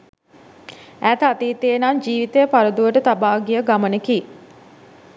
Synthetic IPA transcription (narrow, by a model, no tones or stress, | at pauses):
æt̪at̪iːt̪ejənaɲd͡ʒiːʋit̪əjəpaɾəd̪uʋəʈət̪abaːɡijəɡamənəki